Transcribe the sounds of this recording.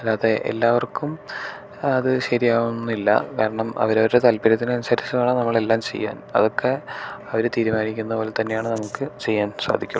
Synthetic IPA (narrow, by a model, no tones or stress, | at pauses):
ɐlːaːðe̞ʔḛlːaːʋɐrkum | ɐðɨɕɐɾijaːɣunːilːɐ̰kaːɾɐɳɐmɐ̰ʋɐɾoɾuɾe̞t̪ɐlpɐɾɐt̪ːinɐnusaːɾit͡ɕːɐmaːɳɨnɐmːɐɭe̞lːaːmt͡ɕe̞̰jːa̰ːnɐ̰ðo̞kʰːe̞ɐʋɐɾt̪iːɾumaːnikʲːunːɐpo̞ːle̞t̪ɐnːejaːɳɨnɐmukːɨt͡ɕe̞jːaːnsa̰ːd̪ʱikʲːuɭ